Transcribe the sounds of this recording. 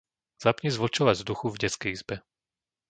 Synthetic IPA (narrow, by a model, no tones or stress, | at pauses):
z̥apɲizʋɔt͡ʃɔʋavzd̪uxuvɟɛt͡skɛjizbɛ